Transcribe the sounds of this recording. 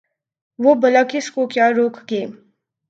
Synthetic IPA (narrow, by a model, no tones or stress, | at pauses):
ʋobəlakɪskokjaːɾoːkɡeː